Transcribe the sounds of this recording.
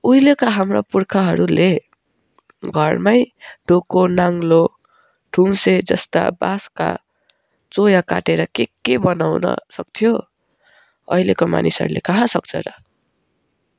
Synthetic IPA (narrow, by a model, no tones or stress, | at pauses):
ujlekaɦamropurkʰaɦʌɾule | ɡʱʌrmajɖ̥ʱokonaŋlo | ɖʰʱumsed͡zʌst̪a̰baska̰ | t͡sojaka̰ʈeɾʌkekebʌnawnʌ̰sʌk̚t̪ʰijo | ʌjlekoma̰nisɦʌ̰ɾulḛkʌɦãsʌk̚t͡sʰʌ̰ɾʌ